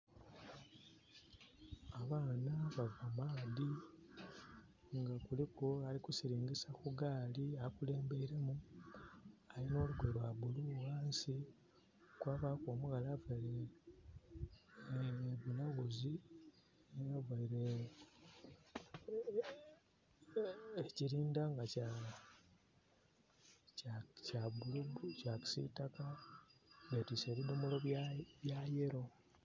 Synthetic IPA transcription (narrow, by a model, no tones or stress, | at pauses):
aβaːnaβavamaːdi | ŋɡakulikoalikusiɾiːŋɡisakuɡaːliakule̞ːmbe̞iɾe̞mu | alino̞ːluɡwelwaβuluwaːnsi | kwaβakoːmuɣalavwele | eβunaɣuzi | javaiɾe | ciɾiːndaŋɡaca | cabulubucaki̥sḭtaka | ɡetiseβidumulo̞ββjaje̞ɾo̞